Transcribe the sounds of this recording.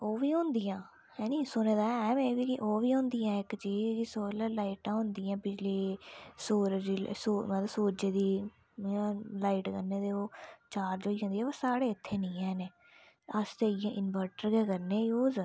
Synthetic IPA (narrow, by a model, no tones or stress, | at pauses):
oːʋiːɦõːnd̪ijãː | hɛːnĩːsʊneːd̪aːɛːmẽːʋiːkiʔoːʋiːɦõːnd̪ijãːɪkt͡ʃiːd͡ʒkisoːləlaːiːʈãːɦʊ̃ːnd̪ijãːbɪd͡ʒliːsoːɾd͡ʒisoːmələsuːd͡ʒeːd̪iː | laːiːʈkənːeːd̪eːoːt͡ʃaːɾd͡ʒoːiːɦõːnd̪iːɛːʋəsaːɽeːɪt̪ʰːeːnĩːɦɛːneː | əst̪eːɪjãːʔɪnbəɾʈəɾɡɛːkəɾneːjoːz